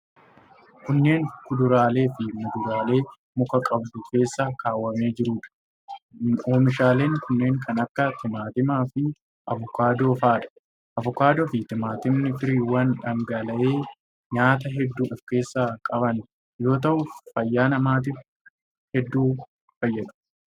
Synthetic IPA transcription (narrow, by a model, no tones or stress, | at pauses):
kʊnːe̞ːŋkʊd̪ʊɾaːle̞ːfɪmʊd̪ʊɾaːle̞ː | mʊkɐkʼɐb̚d̪ʊke̞ːsːɐkaːwːɐme̞ːd͡ʒɪɾuːᶑɐ̥ | oːmɪʃaːle̞ːŋkʊnːe̞ːŋkʰɐnɐkːɐt̪ɪmaːt̪ɪmaːfɪ | ʔɐvʊkaːd̪o̞ːfaːᶑɐ̥ | ʔɐvʊkaːd̪oːfɪt̪ɪmaːt̪ɪmnɪfɪɾiːwɐnᶑɐŋɡɐlɐʔe̞ː | ɲaːt̪ɐɦɛd̪ːuːɔfke̞ːsːaːkʼɐβɐn | jo̞ːt̪̬ɐʔʊfɐjːaːnɐmaːt̪̬ɪf | hɛd̪ːuː | fɐjːɐᶑʊ̥